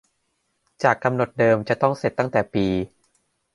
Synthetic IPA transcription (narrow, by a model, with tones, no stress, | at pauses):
t͡ɕaː˨˩kːa˧mno˨˩t̪̚dɤː˧mt͡ɕa˨˩t̪ɔ˥˩ŋse˨˩t̪ːa˥˩ŋt̪ɛː˨˩piː˧